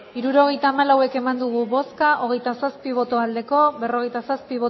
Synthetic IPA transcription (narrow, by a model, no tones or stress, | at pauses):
iɾuɾo̞ɣ̞e̞jt̪aːmalawe̞ke̞mand̪uɣ̞uβo̞skaʔo̞ɣ̞e̞jt̪asaspiβ̞o̞t̪o̞ald̪e̞ko̞βe̞ro̞ɣejt̪asaspiβ̞o